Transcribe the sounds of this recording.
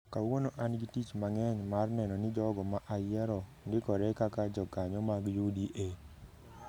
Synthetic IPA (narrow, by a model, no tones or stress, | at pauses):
kawonoʔanɡitit͡ʃmaŋɛɲmarnɛnɔnɪd͡ʒɔɡɔmaʔajɛɾɔ | nɡɪkɔɾɛkakad͡ʒɔɡaɲɔmaɡjudiʔe